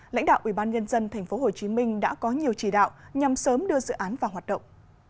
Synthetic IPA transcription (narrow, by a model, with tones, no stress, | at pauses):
la̰˧˥jŋ̟ɗa̰ː˧˨wʔi˧˩ɓaː˧nɲə˧nzə˧nt̪ʰɛ˨˩jŋ̟fo˨˦ɦo˨˩t͡ɕi˨˦mï˧ŋ̟ɗa̰ː˧˥kɔ˨˦ɲi˨˩əwt͡ɕi˧˩ɗa̰ː˧˨wɲa˨˩msəː˨˦mɗɨ˧əzɨ̰˧˨ʔaː˨˦nvaː˨˩wɦaː˨˩t̚ɗə̰˧˨wŋ͡mʔ